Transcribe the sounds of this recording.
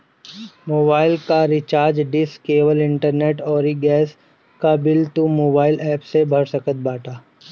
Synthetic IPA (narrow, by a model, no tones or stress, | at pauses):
moːbaːɪlkaɾɪt͡ʃaːɾd͡ʒɖɪskeːʋəlɪ̃ɳʈəɾneːʈɔːɾiɡɛːs | kabɪlt̪umoːbaːɪlɛːpsebʱɐɾsɐkət̪̚baːʈʰaː